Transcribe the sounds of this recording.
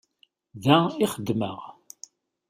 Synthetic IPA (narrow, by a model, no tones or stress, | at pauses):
ðæiχəd̪ːməʁ